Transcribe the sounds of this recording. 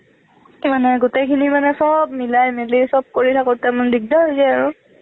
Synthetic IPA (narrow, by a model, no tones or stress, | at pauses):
manɛɡutekʰinimanɛsɔbmilajmelisɔb̚koɹitʰakot̚tɛmanbiɡdaɦojzɛaɹu